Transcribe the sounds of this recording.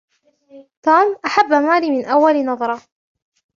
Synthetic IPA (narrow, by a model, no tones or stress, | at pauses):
t̪uːmʔaħabːamaːliːmɪnʔawːalɪnɑðˤɑɾˤɑ